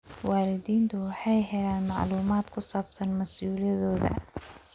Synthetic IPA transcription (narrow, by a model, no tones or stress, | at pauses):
wɑːlɪðiːnt̪ʰʊwɑħɑjɦɛlaːnmɑʕluːmaːd̪kʰʊsaːbsɐnmɐsuːlɐðɔːðɐ̰